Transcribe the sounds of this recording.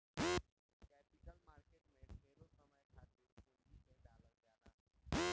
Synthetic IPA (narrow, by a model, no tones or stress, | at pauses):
kɛːpɪkəlmaːɾkeːʈmẽmeːɾosəməjkʰaːt̪kiɾkutiseɖaːləkd͡ʒaːna